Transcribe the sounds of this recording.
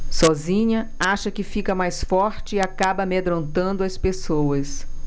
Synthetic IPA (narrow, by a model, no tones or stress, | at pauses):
sɔzĩɲɐaʃɐkɪfikɐmajsfɔɾt͡ʃɪiakabɐmed̪ɾõnt̪ɐ̃nd̪ʊɐspesowɐs